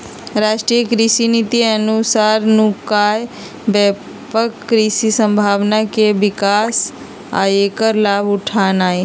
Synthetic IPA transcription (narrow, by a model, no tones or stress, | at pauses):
ɾaːʃʈɾijəkɾisinit̪iənusaːɾnũkaːj | bɛː | pəkːɾisisə̃mbʱaːʋnakeʋɪkaːs | a̰jekəɾlaːbʊʈʰaːnaːe